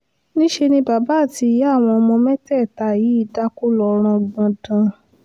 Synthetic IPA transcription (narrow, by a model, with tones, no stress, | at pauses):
nĩ˦ʃe˧nĩ˧ba˨˦ba˦˨ti˧˨ja˦˨w̃ɔ̃˧mɔ̃˧mɛ̃˦tɛ˦˨ta˧˨ji˨˦i˦˨da˦ku˦lɔ˧˦ɾ̃ã˧ɡ͡bã˧dã˧